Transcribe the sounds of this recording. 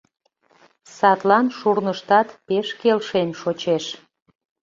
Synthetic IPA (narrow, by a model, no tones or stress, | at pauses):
sɑt̪lɑnʃurnəʃt̪ɑt̪peʃkelʃemʃot͡ɕeʃ